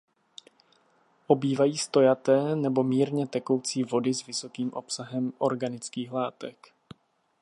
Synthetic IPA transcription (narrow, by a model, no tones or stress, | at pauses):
ʔo̞biːvajiːst̪o̞jat̪ɛːnɛbo̞miːɾɲɛt̪ɛko̞wt͡siːvo̞dɪzvɪso̞kiːmʔo̞psaɦɛmʔo̞ɾɡanɪt͡skiːxlaːt̪ɛk